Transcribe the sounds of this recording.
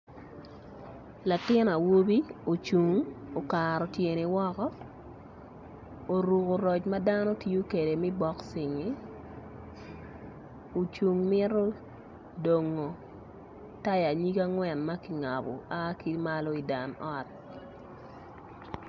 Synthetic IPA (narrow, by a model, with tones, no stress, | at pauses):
la˨tɪ˦na˨wo˦bi˦o˨t͡ʃu˨ŋo˨kaɾɔ˨tje˨ni˨wɔ˦kɔ˦ | o˨ɾu˨ko˨ɾɔ˨t͡ʃma˦da˦nɔ˦tjo˦ke˨de˨mi˦bɔ˦ksɪ˨ŋi˦ | o˨t͡ʃu˨ŋmɪ˦ɾo˦ | do˨ŋo˨ | ta˦ja˨ɲi˦ɡa˦ŋwɛ˨nma˦ki˨ŋa˨bo̰˨ʔa˦ki˦ma˦lo˦i˨da˨nɔ˦t̚